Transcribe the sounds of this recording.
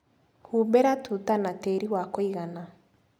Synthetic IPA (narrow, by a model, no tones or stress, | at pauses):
hubɛɾatʰutanateɾiwakoiɣana